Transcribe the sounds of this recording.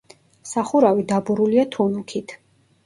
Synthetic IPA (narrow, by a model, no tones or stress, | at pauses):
saχuɾavid̪abuɾuliat̪ʰunukʰit̪ʰ